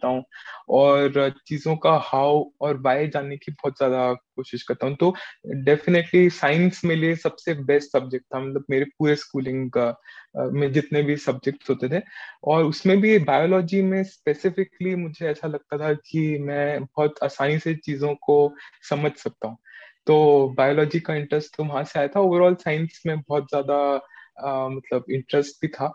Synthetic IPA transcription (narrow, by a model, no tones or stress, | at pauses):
t̪aɦũɔːɾt͡ʃiːzõkahaːwɔːɾʋaːjd͡ʒaːnekibɔːt̪zjaːd̪akoːʃɪʃkɐɾt̪aːɦũt̪oɖɛːfɪneʈlisaːɪ̃nsmẽliesɐbsebɛːsʈsɐb̚d͡ʒɛk̚ʈt̪ʰːamɐt̪ləbmeːɾep̚uːɾeskuːlɪ̃ŋɡ | mẽd͡ʒɪt̪nebʱisɐb̚d͡ʒɛk̚ʈsɦoːt̪et̪ʰɛːɔːɾʊsmẽbʱibaːɪjoːlɔːd͡ʒimẽspeːsɪfɪklimʊd͡ʒʱeɛːsalɐɡ̚t̪at̪ʰakimɛ̃ːbɔːt̪aːsaːniset͡ʃiːzõkosɐməd͡ʒʱsɐk̚t̪aɦũːt̪oːbaːjoːlɔːd͡ʒikaɪ̃ɳʈɾəsʈt̪ʊmɦãseaːjat̪ʰaoːʋəɾɔːlsãːɪ̃nsmẽbɔːt̪zjaːd̪a | mɐt̪ləbɪ̃ɳʈɾəsʈ̚bʱit̪ʰaː